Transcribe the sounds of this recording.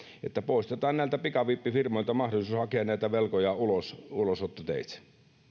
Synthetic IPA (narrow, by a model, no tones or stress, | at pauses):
ḛt̪ːæpoˑist̪et̪ɑːnnæˑilt̪æpikɑʋiːpːifirmoˑilt̪ɑmɑhdolisuːshɑkeɑnnæit̪æʋelkojɑulosulosot̪ːot̪ḛˑit̪